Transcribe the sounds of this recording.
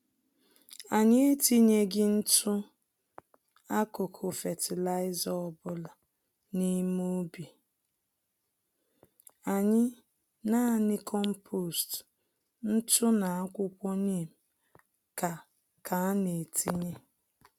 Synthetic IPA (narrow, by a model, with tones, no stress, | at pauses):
a˨ɲɪ˦e˦ti˦ɲe˦ɡɪ˦n̩˦tʊ˦ | a˦kʊ˨kʰʊ˨fɛ˨tʰɪ˨la˦ɪ˦zɔ˦˨bʊ˦la˨ | ni˦mo˦bi˨ | a˨ɲɪ˦ | na˦˨nɪ˦kʰɔ˦m̩˦pʰo˦˨st | n̩˦tʊ˦na˨a˦kʷʊ˦kʷɔ˦ni˦˨m̩˨ | ka˨ | kʰa˨a˦ne˨tʰi˦ɲe˦